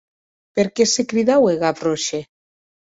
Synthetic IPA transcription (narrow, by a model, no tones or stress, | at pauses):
peɾkesekɾiðaweɣaproʃe